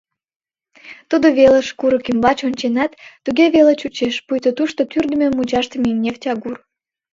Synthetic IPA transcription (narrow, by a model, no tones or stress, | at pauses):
t̪ud̪oβelə̆ʃkuɾəkymbɑt͡ɕonʲt͡ɕenɑt̪ːuɣeβelet͡ɕut͡ɕeʃpujt̪ot̪uʃt̪ot̪yrd̪əmʲemut͡ɕɑʃt̪əmeimnʲeftʲɑɣur